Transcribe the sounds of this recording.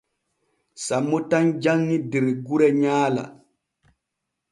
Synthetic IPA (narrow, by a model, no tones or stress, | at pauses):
samːɔtand͡ʒaŋːidɛɾɡuɾɛɲaːla̰